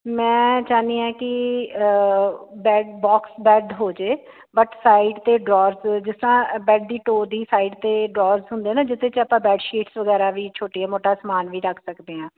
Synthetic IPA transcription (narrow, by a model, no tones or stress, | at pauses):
mɛ̃ːt͡ʃaːniːãːkɪ | bɛːɖbɔːksbɛːɖɦoːd͡ʒeː | bəʈsaːiɖt̪eːɖɾɔːɾzd͡ʒɪst̪əɾãːbɛːɖ̚d̪iːʈoːɾd̪iːsaːiːɖt̪eːɖɾɔːɾzɦʊ̃nd̪eːnãːd͡ʒɪt̪ʰːẽːt͡ʃəpãːbɛːɖʃiːʈsʋəɡɛːɾaːʋiːt͡ʃʰoːʈiːaːmoːʈaːsəmaːnʋiːɾəkʰsəkd̪eːãː